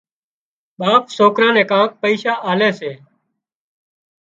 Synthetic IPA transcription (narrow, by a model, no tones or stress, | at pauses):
ɓaːpsoːkɾãːnɛ̃ːkãːk̚pəiːʃaːʔaːlɛːseː